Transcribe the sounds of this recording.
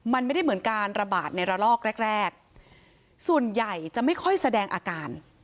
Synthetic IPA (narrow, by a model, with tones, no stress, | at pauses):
ma˧nma˥˩jda˥˩jmɯ˩˦nkaː˧nɾa˧baː˨˩t̪̚na˧jɾa˧lɔː˥˩k̚ɾɛ˥˩k̚ɾɛː˥˩k̚ | su˨˩ənja˨˩jt͡ɕa˨˩ma˥˩jkʰɔ˥˩jsa˧dɛː˧ŋʔaː˧kaː˧n